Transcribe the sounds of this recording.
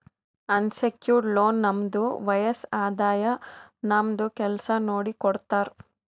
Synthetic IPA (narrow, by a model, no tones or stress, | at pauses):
ɐnsekjuːɾɖloːnːɐmd̪uʋɐjɐsaːd̪aːjɐnɐmd̪ukɛlsɐnoːɽikɔɽt̪aːɾu